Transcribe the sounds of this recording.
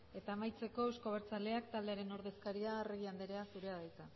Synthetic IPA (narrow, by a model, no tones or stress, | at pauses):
e̞t̪aːmajt͡se̞ko̞ewsko̞β̞eɾt͡sale̞akt̪ald̪e̞aɾe̞no̞ɾðe̞skaɾiareɣiand̪eɾe̞asuɾe̞aðajt͡s̪a